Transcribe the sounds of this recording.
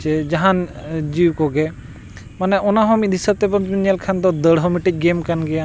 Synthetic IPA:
t͡ʃɛd͡ʒaɦand͡ʒiwkɔɡɛ | manɛʔɔnaɦɔ̃mit̪̚ɦisəb̚t̪ɛbəiɲɛlkʰand̪ɔd̪əɽɦɔmiʈic̚ˀɡɛmkanɡɛja

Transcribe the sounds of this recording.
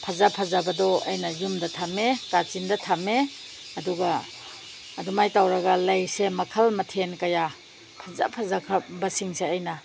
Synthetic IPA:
pʰɐzapʰɐzabɐdɔɐ̰jnɐjumdɐtʰamekat͡ʃindɐtʰame | ɐduɡɐː | dumajtawɾɐɡɐlɐjsemɐkʰɐlmɐtʰenkɐja | pʰɐza̰pʰɐzakʰɐbɐsiŋseɐjnɐ

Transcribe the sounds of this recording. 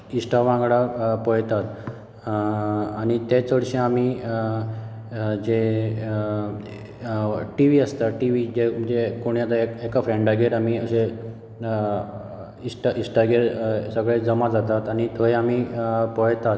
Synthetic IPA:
isʈaʋãŋɡɽapɔjt̪at̪ | anit̪et͡səɽɕẽami | d͡ʑe | ʈiʋiːəst̪aʈiʋid͡ʑeməɳd͡zekoɽ̃jat̪aekekafɾẽɳɖaɡeɾamiəse | isʈaʔisʈaɡeɾsəɡɭed͡zəmad͡zat̪at̪anit̪ʰəjamipɔjt̪at̪

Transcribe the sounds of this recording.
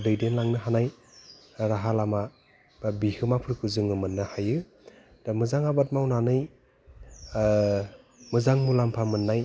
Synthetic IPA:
dɯjdenlaŋnɯɦanaj | ɾaɦalama | babihɯmapʰɯɾkʰɯzɯŋɯmɯnːɯhajɯ | d̥amɯzaŋabat̚mawnanɯj | mɯzaŋmulampʰamɯnːaj

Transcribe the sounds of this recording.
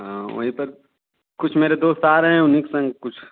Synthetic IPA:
ɦãːʋɐ̰ɦĩpɐɾ | kʊt͡ʃʰmeːɾed̪oːst̪aːɾeɦẽʊnĩkesɐ̃ŋɡkʊt͡ʃʰ

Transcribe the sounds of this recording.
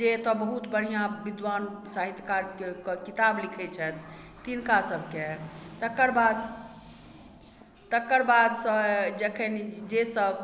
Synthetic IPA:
d͡ʒet̪ɔbəɦut̪bəɽ̤ijabid̪ʋansaɦit̪jkaɾkekkit̪ablikʰɛt͡ʃʰɛt̪t̪inkasəbʱket̪əkːəɾbad̪ | t̪əkːəɾbad̪sə̃d͡ʒekʰɛnid͡ʒesəb

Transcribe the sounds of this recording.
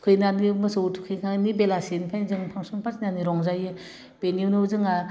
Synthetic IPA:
kʰɯjnanimɯsowtʰu̥kʰɯjkʰanibelasenpʰajnzɯŋpʰaŋsɔnpʰasnaniɾɔŋzajɯ | beniwnɯwzɯŋa

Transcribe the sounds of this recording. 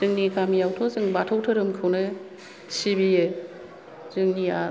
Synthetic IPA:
zɯŋnikʰamijawtʰɔzɯŋbatʰawtʰɯɾɯmkʰɯwnɯ | sibijɯ | zɯŋnia

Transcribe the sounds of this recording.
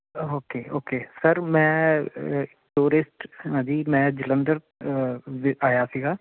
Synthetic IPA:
ɦoːkeːo̰ːkeːsəɾmɛ̃ː | ʈuːɾɪsʈɦãːd͡ʒiːmɛ̃ːd͡ʒɪlənd̪əɾ | ʋaːjaːsiːɡaː

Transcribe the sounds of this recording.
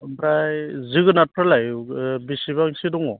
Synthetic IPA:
mɾajzɯɡɯnat̚pʰɾalajbisiβaŋsidɔŋɔ

